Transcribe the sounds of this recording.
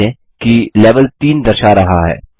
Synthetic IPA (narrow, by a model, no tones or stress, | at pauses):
ẽ | kileːʋəlt̪iːnd̪ɐɾʃaɾɐɦaɦɛ̰ː